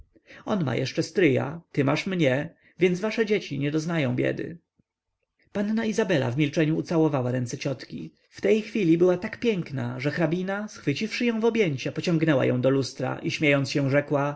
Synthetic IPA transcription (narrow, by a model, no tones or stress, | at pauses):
ɔnma̰jʔɛ̰ʂt͡ʂɛst̪ɾɘja̰t̪ɘmaʂmɲɛ | vʲjɛnd̪zvaʂɛd͡ʑet͡ɕiɲɛd̪ɔznajɔ̃w̃bʲjɛ̰d̪ɘ̰ | panːaizabɛla̰vmʲilt͡ʂɛɲuːt̪sawɔvawaɾɛnt̪sɛt͡ɕɔt̪kʲḭ | ft̪ɛjxfʲilʲibɘwat̪akpʲjɛŋkna̰ʐɛxɾabʲinasxfɘt͡ɕifʂɘjɔ̃w̃vɔbʲjeɲt͡ɕapɔt͡ɕɔ̃ŋɡnɛwa̰jɔ̰̃w̃d̪ɔlust̪ɾa̰ʔiɕmʲjejɔnsɕɛ̃ʐɛkwa